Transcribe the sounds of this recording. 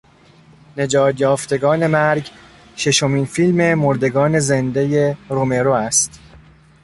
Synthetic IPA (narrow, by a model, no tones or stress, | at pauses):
ne̞d͡ʒɒːt̪jɒːft̪e̞ɡɒːne̞mæɾɡ | ʃe̞ʃo̞miːnfilme̞moɾd̪e̞ɡɒːne̞ze̞nd̪e̞je̞ɾome̞ɾoæst̪